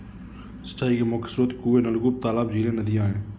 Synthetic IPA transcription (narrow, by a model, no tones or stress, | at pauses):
sə̥t͡ʃːaːikemoːkə̥sɾot̪kuːenəlɡup̚t̪aːlaːbd͡ʒiːɾẽnəd̪ɪjãɦɛ̃ː